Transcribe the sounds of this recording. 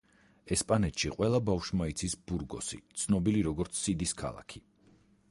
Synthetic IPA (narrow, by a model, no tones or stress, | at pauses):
ɛspʼanɛt̪ʃiqʼwɛlˠabafʃmait̪sʰisbuɾɡɔ̰sḭt̪sʰnɔbiliɾɔɡɔɾt̪sʰːid̪iskʰa̰lˠa̰kʰi